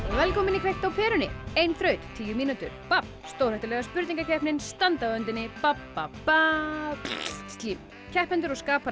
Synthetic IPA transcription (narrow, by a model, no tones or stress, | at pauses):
vɛlkɔmɪnikʰvejht̪awpʰɛːɾʏnɪejnθɾœːɥt̪t̪ʰːiːjʏmiːnut̪ʏ̰ɾ̥pap | st̪owɾ̥hɛjht̪ɪlɛɣaspʏɾt̪niŋkacʰɛhpnɪnst̪ant̪aœnt̪ɪnːɪpapːapa | st̪liːm | cʰɛhp̪ɛnt̪ʏɾɔɣskaːpa